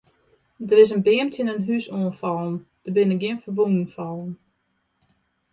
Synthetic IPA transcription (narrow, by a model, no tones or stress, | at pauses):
dərɪs̬ənbɪəmtʰənənɦysoːnfɔlˠn̩d̥əbɪnəɡjɪənfərbundən̩fɔlˠn̩